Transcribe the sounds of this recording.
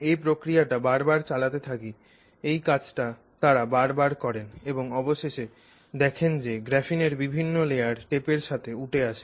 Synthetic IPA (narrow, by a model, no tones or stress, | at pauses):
epɾokɾijaʈabaɾbaɾt͡ɕalat̪et̪ʰaki | ejkat͡ɕʈa | t̪aɾabaɾbaɾkɔɾeneboŋɔboʃeʃe | d̪ɛkʰend͡ʑeɡɾɛfineɾbibʱinːolejaɾʈepeɾʃat̪ʰeuʈʰeaʃe